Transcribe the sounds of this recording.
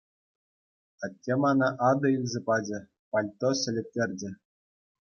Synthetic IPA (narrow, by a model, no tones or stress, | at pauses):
ɑtʲːemɑnɑʔɑd̪ɤ̆ilʲzʲepɑd͡ʑɘ̆ | pɑlʲt̪ːoɕɘ̆lʲɘ̆p̚ʲtʲːerʲd͡ʑɘ̆